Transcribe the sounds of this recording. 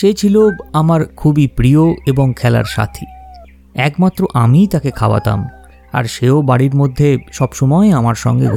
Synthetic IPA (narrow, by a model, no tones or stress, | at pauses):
ʃet͡ɕʰiloamaɾkʰubipɾioeboŋkʰɛla̰ɾʃa̰t̪ʰi | ɛkmat̪ːɾoʔamit̪akekʰaoa̰t̪a̰m | a̰ɾʃeobaɽiɾmod̪ʱːeʃɔbʃɔmɔeamaɾʃɔ̰ŋɡḛɡʱo